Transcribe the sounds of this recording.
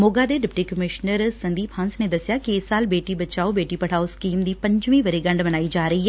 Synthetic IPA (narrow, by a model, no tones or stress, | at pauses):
moːɡaːd̪eːɖɪpʈiːkəmɪʃnəɾsɐ̃nd̪iːpʰə̃nsned̪ɐsɪjaːkiɪsaːlbeːʈibɐt͡ʃaːobeːʈipɐɽ̤aːoskiːmd̪iːpɐ̃ɲd͡ʒʋẽʋɐɾeɡɐ̃ɳɖmɐnaːiːd͡ʒaːɾɐɦiːɦɛː